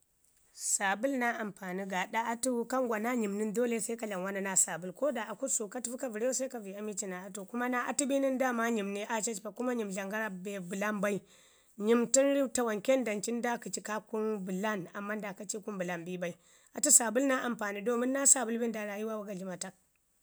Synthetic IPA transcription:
sa˨bu˦lna˦ʔa˨mpaː˨ni˦ɡa˨ɗa˦a˦tu˦ka˦ŋɡʷa˨na˦ɲi˨mni˦ndo˦le˦sa˦ka˨ɮa˨nwa˦na˦na˦sa˨bu˦lko˦da˨a˨ku˦su˨ka˦tu˦vi˦ka˨vi˨ɾe˦wo˦sa˦ka˨vi˨a˦mi˦t͡ʃi˦na˨a˨to˨ku˦ma˦na˦ʔa̰˨tu˦bi˦ni˦nda˦ma˦ɲi˨mni˦ʔa˦t͡ʃa˦t͡ʃpa˨ku˦ma˦ɲi˨mɮa˨ŋɡa˦ɾa˨be˨bu˨la˦mba˦i˦ | ɲi˨mti˦nɾi˦ta˨wa˨ŋke˦nda˨nt͡ʃi˦nda˦ku˨t͡ʃi˦ka˦ku˦nbu˨la˦˨na̰˨mːa˦nda˨ka˦t͡ʃi˦ku˦mbu˨la˦nbi˦ba˦i˦ | a˨tu˦sa˨bu˦lna˦ʔa˨mpaː˨ni˦do˦mi˦nː˦a˦sa˨bu˦lbi˦nda˨ɾa˨ji˦wa˦wa˨ɡa˨ɮi˦ma˨ta˦k̚

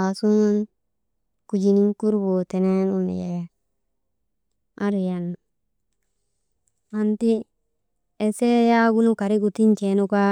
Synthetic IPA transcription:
a˨su˦na˦n | ku˨d͡ʒi˨ni˦ŋ˦ku˦ɾbo˨te˨ne˦nu˦n̰˨je | ʔa˦ɾi˨ja˨n | a˨nti˦ | e˨se˦ja˦ɡu˦nu˦ka˨ɾi˦ku˨ti˦nt͡ʃe˨nu˦ka˦

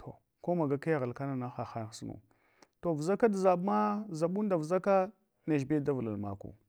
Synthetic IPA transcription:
tʰo˨ | ko˦ma˨ɡa˦ka˦ja˦˨ɣa˨lka˦na˨na˦xa˨xa˦˨˦snṵ˨ | to˨vza˦ka˦da˨za˨bma˦za˨ɓu˦n˦da˨vza˦ka˦ | na˨ʒbe˦da˦vla̰˨lma̰˨kṵ˨

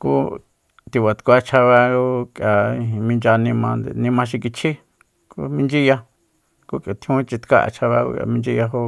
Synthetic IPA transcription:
kṵ˦ | t̪i˧βa˨t̪kʷa˧t͡ʃʰa˧βa˧ɡo˦kja˨ĩ˧ĩ˧mĩ˧nd͡ʒa˧nĩ˧mã˧nd̪ḛ˨nĩ˧mã˧ʃ̬i˧k̬i˧t͡ʃʰi˦ | kṵ˧˦mĩ˦nd͡ʒi˦ja˧ | ku˦kʼja˨t̪ʰi˦ũ˦˧t͡ʃi˧t̪ka̰˦ʔa̰˧˨t͡ʃʰa˧βa̰˧ɡo̰˧kʔa̰˧mĩ˧nd͡ʒi˦˧ja˧ɦo˦

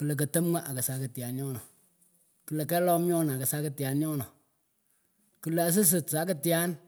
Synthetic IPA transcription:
kɨ˨le˨k̬ɐ˨tə˦m˦ŋa˦ʔa˨kɐ˨sa˨˦kɪ˨tja˨nɲɔ˦nɔ˨ | kɨ˨le˨kɛ˦lɔ˦mɲɔ˦n˨kɐ˨sa˦kɪ˦tja˨nɲɔ˦nɔ˨ | kɨ˦la˨a˨s̬ɪ˦s̬ɪ˨tsa˨˦kɪ˦tja˦n

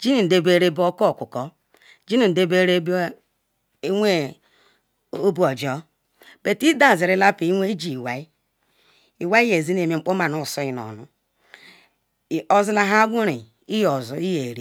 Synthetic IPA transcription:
d͡ʒi˦ni˨n̩˨de˨be˦ɾe˦bo˦kɔ˦˨kʷṵ˨kɔ˦ | d͡ʒi˦ni˨n̩˨de˦be˦ɾe˦ | ŋʷe˦ | o˦bu˨˦ɔ˨d͡ʒɔ˦ | b̥e˨ti˦da˦˨zi˨ɾi˦la˦pi˨i˦ŋʷe˦d͡ʒi˨i˨wa˨i˦ | i˨wa˦i˦je˨zi˦ne˨me˨ŋ͡m̩˦k͡po˦ma˨no˨sɔ˦i˨n˨ɔ̰˨nṵ˨ | ɔ˨zu˦la˨ɦa˦ɡʷu˦ɾi˨ | i˦jɔ˨zu˨˦i˦je˨ɾi˦

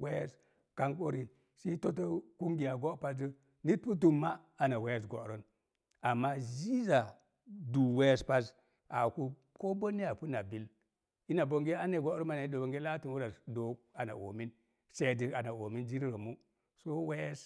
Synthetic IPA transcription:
we˦je˦s | ka˦ŋko˦ɾi˨ | si˦to˦to˦ku˦ŋɡi˨ja˨ɡo˦pa˦də˦ | ni˦t̚pu˦t̬u˦mːaː˦˨na˨we˦je˦˨s̬ɡo̰˨ɾo˦n | a˨mːa˦zi˦za˨ | du˨we˦jspa˦s | a˨ku˦ | ko˦bo˦ni˦a˨pu˦na˨bi˨l | i˦na˨bo˨ŋɡe˦a˦ne˨ɡo˦ɾo˦nma˨na˨i˦do˨bo˨ŋɡe˦la˦tu˨nwu˦ɾa˨sdo˨ | a˨na̰˨ʔo̰˨mi˦n | se˦˨di˨a˨na˨o˨mi˦nd͡ʒi˦ɾi˦ɾo˨mu˦ | so˦we˦je˦s

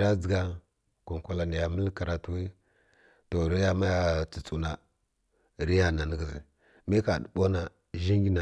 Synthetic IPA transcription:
ɾa˦d͡zə˨ɡa˦ | ku˨ŋ˨kʷa˨la˨ni˨ja˨mə˦lka˨ɾa˨tu˦wi˦ | to˨ɾi˦ja˦ma˦ja˦˨t͡si˨t͡su˨na˨ | ɾi˦ja˨na˨nə˦ɡə˨zi˨ | mi˦ka˨dɓo˦na˨ | ʒi˦ŋɡi˦na˨

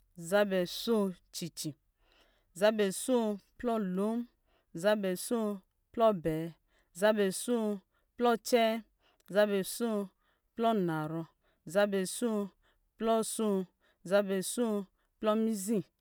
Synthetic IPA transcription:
za˦bɛ˨so˦t͡ʃi˨t͡ʃi˨ | za˦bɛ˨so˦˨plɔ˦lo˨˦m | za˦bɛ˨so˦ | plɔ˦bɛ˨ | za˦bɛ˨so˦˨ | plɔ˦t͡ʃɛ˦ | za˦bɛ˨so˦ | plɔ˦na˨ɾɔ˧ | za˦bɛ˨so˦ | plɔ˦so˦ | za˦bɛ˨so˦ | plɔ˦mi˦zĩ˦

